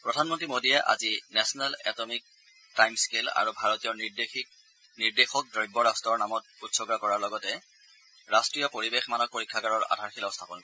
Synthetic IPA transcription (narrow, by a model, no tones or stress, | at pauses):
pɹɔdʱanmɔntɹimodijɛʔa̰zinɛsɔnalɛ̰tɔmik̚ | tajmskela̰ɹubʱaɹɔtijɔnideik | niɹdexɔk̚dɹɔjbːɔɹastɔɹnamɔt̚utsɔɡɹakɔɹaɹlɔɡɔtɛ | ɹastɹijɔpoɹibexmanɔk̚poɹikʰːakaɹɔɹa̰dʱaɹxʰilɔstʰapɔnkɔ